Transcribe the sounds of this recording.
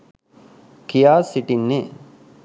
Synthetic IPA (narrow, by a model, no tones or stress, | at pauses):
kijaːsiʈinːe